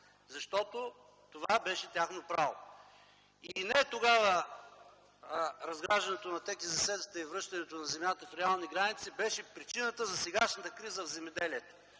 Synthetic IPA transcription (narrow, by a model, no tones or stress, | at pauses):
zɐʃt̪ɔt̪o | t̪ovabɛʃɛt̪ʲaxnopɾavo̰ | inɛt̪oɡavə | ɾɐzɡɾaʒd̪ɐnɛt̪onɐt̪ɛkizɐsɛd̪ət̪əivɾɤʃt̪ɐnɛt̪onɐzɛmjat̪əfɾɛalˠniɡɾanit̪sibɛʃɛpɾit͡ʃinət̪əzɐsɛɡaʃnət̪əkɾizəvzɛmɛd̪ɛliɛt̪o̥